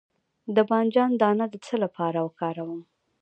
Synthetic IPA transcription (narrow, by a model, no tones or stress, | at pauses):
d̪əbɑnd͡ʒɑnd̪ɑnad̪ət͡səlapɑɾawəkɑɾawəm